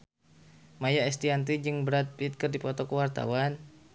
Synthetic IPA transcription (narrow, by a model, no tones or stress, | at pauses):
majaɛst̪iant̪̬id͡ʒɨŋbəɾat̪̚pit̪̚kɨrdipɔt̪ɔkəwart̪a̰wan